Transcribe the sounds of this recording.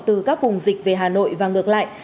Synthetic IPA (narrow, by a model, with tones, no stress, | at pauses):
t̪ɨ˨˩kaː˦˥k̚vʊ˨˩ŋ͡mzï˨˩k̟̚ve˨˩ɦaː˨˩no̰˧˨jvaː˨˩ŋɨ˨ək̚la̰ː˧˨jʔ